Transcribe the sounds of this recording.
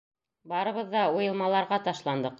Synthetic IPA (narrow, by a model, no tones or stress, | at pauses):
bɑɾɤ̆βɤðːɑujɤ̆lˠmɑlˠɑɾʁɑt̪ɑʃlˠɑnd̪ɤq